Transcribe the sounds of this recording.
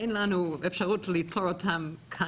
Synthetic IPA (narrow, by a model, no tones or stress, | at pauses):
enlanuefʃaʁutlit͡soɾotʰamkʰa